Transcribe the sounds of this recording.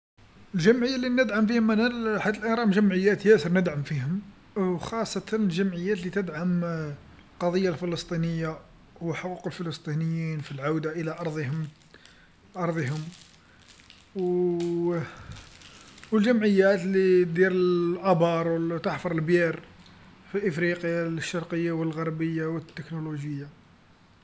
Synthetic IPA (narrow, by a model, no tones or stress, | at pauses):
əlʒəmʕəjːalinəd̪ʕamfihʊmːænælħad̪ːəlʔænɾˤɑmʒəmʕəjːæt̪jæsəɾˤnəd̪ʕamfihʊm | wxɑsˤːɑt̪ənəlʒəmʕəjːæt̪lit̪əd̪ʕam | lqɑd̪ˤəjːalfələst̪ˤinəjːa | wəħoquqəlfələst̪ˤinəjːinfilʕawd̪aʔəlaʔɑɾˤd̪ˤhʊm | ʔɑɾˤd̪ˤiɦʊm | w | wəlʒæmʕəjːæt̪lid̪iɾəʔɑbɑɾˤwəlt̪aħfɑɾˤəlbjiɾ | filʔəfɾiqjaləʃːɑɾˤqəjːawəlɣɑɾˤbəjːawət̪ːəknuloʒəjːa